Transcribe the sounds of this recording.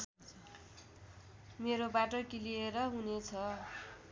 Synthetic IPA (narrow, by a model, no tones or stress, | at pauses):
meɾobaʈokilieɾʌɦunet͡sʰʌ